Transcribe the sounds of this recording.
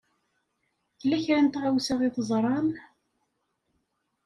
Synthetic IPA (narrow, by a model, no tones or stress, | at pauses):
θlːæçɾænt̪ʕawsaʁiθəzˤɾˤɑn